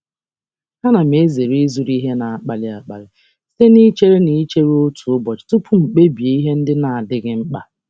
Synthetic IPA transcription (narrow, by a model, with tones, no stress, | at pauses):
ha˦na˨me˦ze˨ɾi˦zu˨ɾi˦ɦe˦na˨a˨k͡pa˨lɪ˨a˨k͡pa̰˨lɪ˨ | se˦ni˦t͡ʃe˦ɾe˦ni˦t͡ʃe˦ɾo˦tu˨o˦bɔ˨t͡ʃtʊ˦pʰʊ˦ŋ͡m̩˨k͡pe˦bi˨e˨i˦ɦe˦n̩˦dɪ˦na˨a˨dɪ˦ɡɪ˦ŋ͡m̩˦k͡pa˨